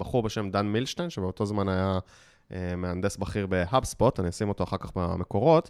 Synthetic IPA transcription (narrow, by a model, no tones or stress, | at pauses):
baχuʁbeʃe̞md̪anmilʃtenʃebeot̪o̞zmanaja | emeand̪esbaχiʁbe̞ɦabspot̪anisimo̞t̪o̞aχakaχbame̞ko̞ʁo̞t̪